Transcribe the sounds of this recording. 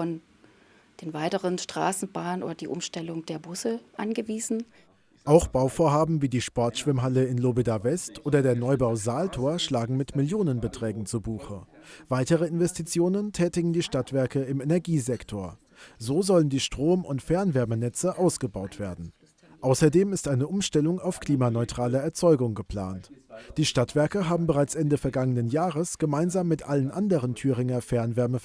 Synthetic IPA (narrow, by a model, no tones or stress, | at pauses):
fɔn | d̥eːnvaɪtəʁənʃtʁ̥a̰ːsn̩baːnənʔo̰ːdɐd̥iːʔʊmʃtɛlʊŋd̥eːɐbʊsəʔanɡəviːzn̩ | ʔaʊxb̥aʊfoːɐɦaːbm̩viːdiːʃpɔɐtʃv̥ɪmɦaləɪnlobidavɛstʔoːdɐdeːɐnɔʏbaʊzaːltʰoːɐʃlaːɡŋ̩mɪtmɪljoːnənbətʁ̥ɛːɡŋ̩t͡subuːxə | v̥aɪtəʁəɪnvɛstit͡sjoːnəntʰɛːtɪɡŋ̩diːʃtatv̥ɛɐkəɪmɛnɛɐɡiːzɛktʰoːɐ | zoːzɔləndiːʃtʁ̥oːmʊntfɛɐnvɛɐmənɛt͡səʔaʊsɡ̥əbaʊtv̥eːɐdn̩ | ʔaʊsɐdeːmɪstʔaɪnəʔʊmʃtɛlʊŋaʊfkl̥iːmanɔʏtʁ̥aːlɐɛɐt͡sɔʏɡʊŋɡəpl̥a̰ːntd̥iːʃtatv̥ɛɐkəɦaːbm̩bəʁaɪt͡sʔɛndəfɛɐɡaŋənənjaːʁəsɡ̥əmaɪnzaːmːɪtʔalənʔandəʁəntʰyːʁɪŋɐfɛɐnvɛɐmə